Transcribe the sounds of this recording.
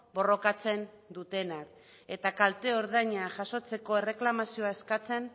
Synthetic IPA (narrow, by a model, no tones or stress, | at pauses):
bo̞ro̞kat͡se̞n | d̪ut̪e̞nak | e̞t̪akalt̪e̞o̞ɾðaɲaʝaso̞t͡se̞ko̞ere̞klamasio̞ae̞skat͡se̞n